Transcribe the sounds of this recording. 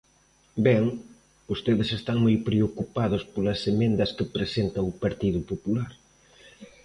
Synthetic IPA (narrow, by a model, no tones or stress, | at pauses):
bɛŋ | ost̪eðɪsest̪aŋmojpɾeokupaðʊspolɐsemẽnd̪ɐskɪpɾesent̪ɐʊpaɾt̪iðʊpopulaɾ